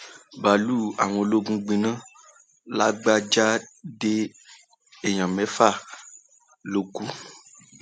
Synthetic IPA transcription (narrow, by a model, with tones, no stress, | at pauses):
ba˨lu˦a˨w̃ɔ̃˧lo˦ɡũ˦ɡ͡bĩ˨nã˦ | la˦ɡ͡ba˦d͡ʒa˦de˦ | e˨ɲã˨mɛ̃˨˦fa˦˨ | lo˨˦ku˦